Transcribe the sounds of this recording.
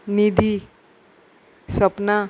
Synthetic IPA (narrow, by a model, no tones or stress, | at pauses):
nid̪ʱi | sʌpna